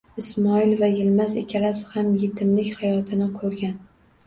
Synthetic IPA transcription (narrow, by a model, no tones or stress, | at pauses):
ɪsmɒɪlvajɪlmazḛkʲʰalasɪ̥hamjet̪ʰɪmlɪkʲhajɒt̪ʰɪnɪkʰɵɾɡʲan